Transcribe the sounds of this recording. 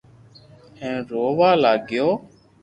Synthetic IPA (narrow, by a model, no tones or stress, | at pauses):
ẽːɾoːʋaːlaːɡjoː